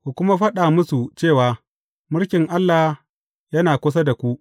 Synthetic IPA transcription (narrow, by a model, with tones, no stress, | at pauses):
kʷu˨kʷʊ˦ma˦ɸɐ˦ɗaː˨mʊ˦su˨t͡ʃeː˦˨waː˨ | mʊ˦ɽkʲɪ˨ŋʔa˦lːa˨ | jɐ˦naː˨kʷʊ˦s̬a˦da˨kʷu˦ʔ